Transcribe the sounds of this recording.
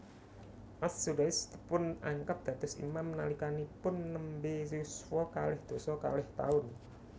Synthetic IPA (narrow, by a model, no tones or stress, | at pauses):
ʔassuɾast̪pʊnaŋkap̚d̪̥ä̤t̪ʊsḭmamnalikanipʊnːəmbesuswɔkalɛhd̪̥o̤sɔka̰lɛht̪a̰ʊn